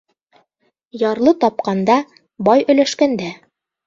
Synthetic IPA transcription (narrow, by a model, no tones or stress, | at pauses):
jɑɾlˠɤt̪ɑp̚qɑnd̪ɑ | bɑjɵ̆læʃkænd̪æ